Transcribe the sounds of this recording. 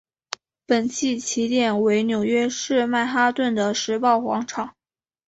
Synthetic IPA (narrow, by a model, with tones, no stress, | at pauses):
pə˨˩nt͡ɕʰi˥˩t͡ɕʰi˧˥t̪jɛ˨˩nwe˧˥ɪnjo˨˩ʊɥɛ˥ʂɻ̩˥˧ma˥˩ɪxa˥t̪wə˥˩nd̪ə˩ʂɻ̩˧˥pɑ˥˩ʊxwɑ̰˧˥ŋʈ͡ʂʰɑ˨˩˦ŋ